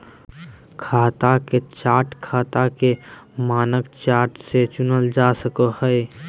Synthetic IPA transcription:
kʰaːt̪aket͡ʃaːɾʈkʰaːt̪akemaːnəkt͡ʃaːɾʈset͡ʃʊnəld͡ʒasəkəhəe

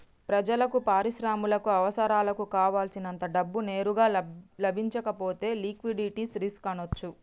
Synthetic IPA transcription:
pɾɐd͡ʒɐlɐkupaːɾiʃɾaːmulɐkuɐʋɐsɐɾaːlɐkukaːʋaːlsinɐnt̪ɐɖɐbːune̞ːɾuɡaːlɐbʱiɲt͡ʃɐkɐpo̞ːt̪e̞ːliːkʋiɖiʈisɾiskɐnot͡ʃːu

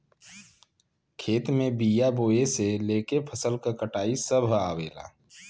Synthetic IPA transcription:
kʰeːt̪mẽbiːjaboːeseleːkepʰəsəlkakəʈaːisəbʱaːwḛːla̰ː

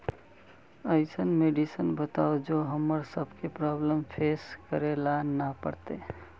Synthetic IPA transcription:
əɪsənmeɖisənbət̪aːod͡ʒoɦəmːəɾsəbʱkepɾɔbləmpʰeskəɾelanapə̰ɽt̪e

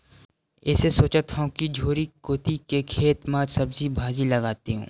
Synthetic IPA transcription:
ɪːsesoːt͡ʃat̪ʰaõkid͡ʒʱoːɾikoːt̪ikekʰeːt̪maːd͡ʒsɐbzibʱaːd͡ʒilɐɡaːt̪iɦṵ̃ː

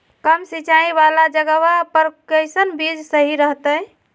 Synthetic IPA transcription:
kəmsit͡ʃaĩbalad͡ʒəɡəβapəɾkəjsənbid͡ʒsəɦiɾəɦt̪ə

